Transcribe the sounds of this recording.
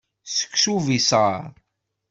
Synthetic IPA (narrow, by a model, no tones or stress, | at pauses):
sə̥kːsuvisaɾ